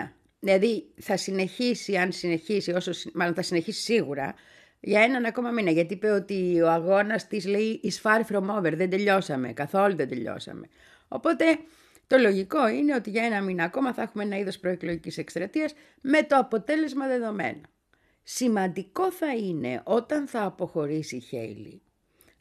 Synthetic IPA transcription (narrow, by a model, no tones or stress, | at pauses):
ðilɐðiθɐsine̞çisiɐnsine̞çisio̞sosimɐlo̞nθɐsine̞çisi̥siɣuɾɐ̰ | ʝɐe̞nɐnɐko̞mɐminɐʝɐt̪iipeo̞t̪io̞ɐɣo̞nɐst̪izleiʔːsfɐɾfɾo̞mo̞veɾðe̞nd̪e̞ʎo̞sɐme̞̰kɐθo̞luðed̪e̞ʎo̞̰sɐ̰me̞̰ | o̞̰po̞t̪e̞ | t̪o̞lo̞ʝiko̞ine̞o̞t̪iʝɐe̞nɐminɐːko̞mɐθɐexumeenɐiðo̞spɾo̞eklo̞ʝicise̞kst̪ɾɐt̪iɐs | me̞t̪o̞ɐpo̞t̪e̞le̞zmɐðe̞ðo̞me̞̰no | simɐnd̪iko̞θɐine̞̰ʔo̞t̪ɐnθɐːpo̞xo̞ɾisiçḛjlḭ